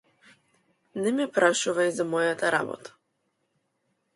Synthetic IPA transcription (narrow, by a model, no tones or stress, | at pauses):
nɛmipɾaʃuvaizamɔjat̪aɾa̰bɔ̰t̪ḁ